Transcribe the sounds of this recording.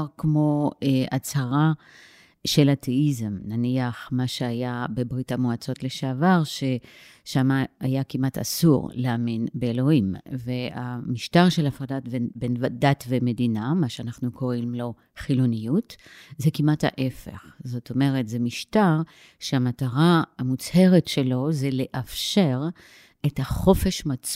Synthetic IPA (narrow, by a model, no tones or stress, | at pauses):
ʁkmo̞eat͡saʁa | ʃe̞latʰeizemnaniaχmaʃeajabe̞bʁitamoat͡so̞tleʃeavaʁʃe | ʃamaajakimata̰sṵʁleaminbeːlo̞imveamiʃtaʁʃelafʁadatvebenvadatveme̞dinamaʃeanaχnuko̞ʁimlo̞ | χilunijutzekimatha̰ʔe̞fe̞̰χzo̞tʰo̞me̞ʁetzemiʃtaʁ | ʃeamataʁaamut͡she̞ʁetʃe̞lo̞zele̞ʔafʃe̞ʁ | ethaχo̞fe̞ʃmat͡s